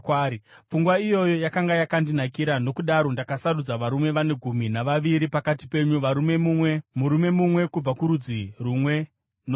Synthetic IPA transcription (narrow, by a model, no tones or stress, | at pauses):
kwaɾip͡fuŋɡwaijo̞jo̞jakaŋɡajakandinakiɾano̞kuɗaɾo̞ndakasarud͡zaʋaɾume̞ʋane̞ɡʱuminaʋaʋiɾipakati̥pe̞ɲuʋaɾume̞muwemuɾume̞mumwe̞kub͡vakuɾud͡zirumwe̞ | n